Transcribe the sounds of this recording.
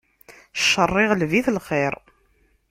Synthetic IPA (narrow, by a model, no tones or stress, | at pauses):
ʃːərˤːɪʁlviθlχeɾ